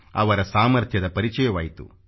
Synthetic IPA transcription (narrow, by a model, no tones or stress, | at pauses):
ɐʋɐɾɐsaːmɐɾt̪ʰjɐd̪ɐpɐɾit͡ʃɐjɐʋaːjit̪ṵ